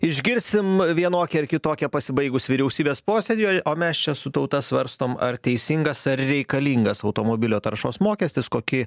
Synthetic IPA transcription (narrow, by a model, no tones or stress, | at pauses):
ɪʒʲɡʲɪɾʲsʲɪmʋʲiɛnoːkʲɛɪɾkʲɪt̪oːkʲɛpɐsʲɪbɐɪɡʊsʋʲɪɾʲɛʊsʲiːbʲeːspoːsʲeːd̪ʲɪjoːjʔoːmʲɛst͡ʃʲɛsʊt̪ɐʊt̪ɐsʋɐɾst̪oːmɐ̰rt̪ʲɛɪsʲiŋɡɐsɐrɾʲɛɪkɐlʲiːŋɡɐsɐʊt̪oːmoːbʲɪlʲoːt̪ɐɾʃoːsmoːkʲɛːsʲt̪ʲɪskoːkʲɪ